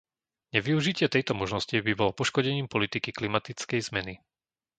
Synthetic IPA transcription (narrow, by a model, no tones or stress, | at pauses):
ɲɛʋiuʒicɪɛt̪ɛjt̪ɔmɔʒnɔscibibɔlɔpɔʃkɔɟɛɲiːmpɔlit̪ikiklimat̪it͡skɛjzmɛni